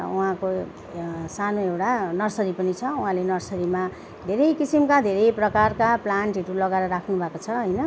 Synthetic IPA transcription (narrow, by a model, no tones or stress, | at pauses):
uɦãko | sanoewʈanʌrsʌɾipʌnit͡sʰʌuɦãlenʌrsʌɾima | d̪ʱeɾʌjkisimkad̪ʱeɾʌjprʌkarkaplanʈiʈulʌɡaɾʌɾakʰnubʱakot͡sʰʌɦʌjnʌ